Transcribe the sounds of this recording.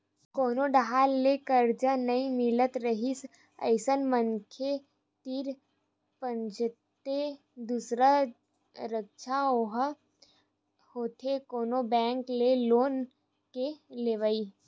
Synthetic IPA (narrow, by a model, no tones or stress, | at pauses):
koːnoɖəɦaːlːekəɾd͡ʒanəĩmɪlət̪ɾəɦis | ə̰ɪsənmənkʰe | t̪iɾ | pə̃nd͡ʒt̪e | d̪usɾa | ɾəkʃʰaoɦ | hoːt̪ʰekoːnobɛ̃ːŋkleloːn | keleːʋəiː